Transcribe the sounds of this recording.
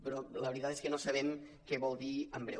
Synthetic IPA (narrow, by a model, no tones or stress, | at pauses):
pɾɔləβɾit̪at̪eskənosəβ̞ɛm | kɛβɔlˠd̪iəmbɾɛ̰